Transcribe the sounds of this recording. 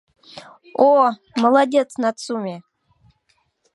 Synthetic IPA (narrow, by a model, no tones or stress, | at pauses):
o | məlˠadʲet̪snat̪sumʲe